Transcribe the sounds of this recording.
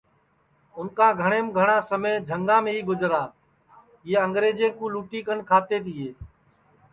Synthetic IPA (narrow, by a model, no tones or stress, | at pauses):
ʊnkaːɡʱəɳ̃eːmɡʱəɳãːsəmeːd͡ʒʱəŋɡãːmẽːiːɡʊd͡ʒɾaː | eːəŋɡɾeːd͡ʒẽːkũːluːʈiːkəɳkʰaːt̪eːt̪ʰɪːeː